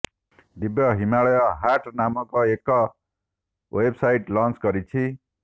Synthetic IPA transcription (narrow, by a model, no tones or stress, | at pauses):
d̪ibjʌɦimaɭʌjʌɦaʈnamʌkoekːʌ | websajʈlʌnt͡sɡʌɾit͡sʰi